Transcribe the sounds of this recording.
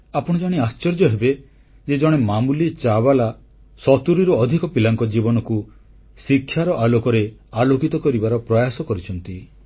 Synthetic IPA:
apɔɽ̃ɔd͡ʒɔɽ̃iast͡ʃɔɾd͡ʒɔɦebe | d͡ʒed͡ʒɔɽ̃emamulit͡ʃabala | sɔt̪uɾiɾɔːd̪ʱikɔpilaŋkɔd͡ʒibɔnɔku | sikʰːjaɾɔʔalokɔɾealokit̪ɔkɔɾibaɾɔpɾɔjasɔkɔɾit͡ʃʰɔnt̪i

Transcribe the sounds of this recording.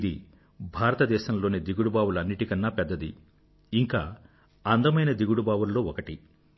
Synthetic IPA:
d̪ḭ | bʱaːɾɐt̪ɐd̪ɛːʃɐmlo̞ːnid̪iɡuɽubaːwulɐnːiʈikɐnːaːpɛd̪ːɐd̪ḭ | iŋka̰ː | ɐnd̪ɐmɐjnɐd̪iɡuɽubaːʋulːo̞ːɔkɐʈi

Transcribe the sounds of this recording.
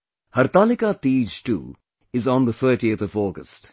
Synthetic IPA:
hɐɾt̪aːlɪkat̪iːd͡ʒʈṵː | ɪznd̪ət̪ʰəːʈiət̪ʰɔvɔːɡəsʈ

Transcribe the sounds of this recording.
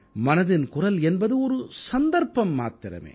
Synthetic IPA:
mɐnɐðɪnkʊrɐlɛnbɐðɯɔɾɯsɐnd̪ɐɾpɐmːa̰ːt̪ɪɾɐ̰mḛː

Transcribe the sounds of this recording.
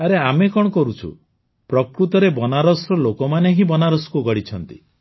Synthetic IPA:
aɾeamekɔɽɔkɔɾut͡ʃʰṵ | pɾɔkɾut̪ɔɾebɔnaɾɔsɾɔlokɔmaneɦibɔnaɾɔsɔ̥kuɡɔɽit͡ʃʰɔnt̪i

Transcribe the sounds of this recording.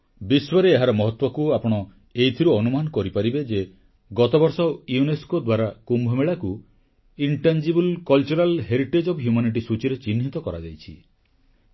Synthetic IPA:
biswɔɾeːɦaɾɔmɔɦɔt̪wɔkuapɔɽ̃ɔ | ejt̪ʰiɾuɔnumanɔkɔɾipaɾibed͡ʒe | ɡɔt̪ɔbɔɾsɔwjuneskod̪waɾakumbʱɔmeɭaku | iɳʈand͡ʒibulkɔlt͡ʃuɾalɦeɾiʈed͡ʒɔbɦjumaniʈ̬isut͡ʃiɾet͡ʃinɦit̪ɔkɔɾad͡ʒajt͡ʃʰi

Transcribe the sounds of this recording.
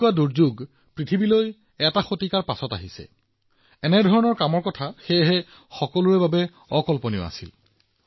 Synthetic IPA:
ʊaduɹzuɡ | pɹitʰibiloj | ɛtaxotikaɹpasɔta̰ɦisɛ̰ | ɛnɛdʱɔɹɔnɔɹkamɔɹkɔtʰaxejɦɛ | xɔkɔluɹɛbabɛ | ɔkɔlponio̰a̰sil

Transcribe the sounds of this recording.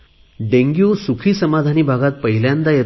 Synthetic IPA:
ɖeŋɡjusukʰiːsəmad̪ʱaniːbʱaɡat̪̚pəɦiljãnd̪aje

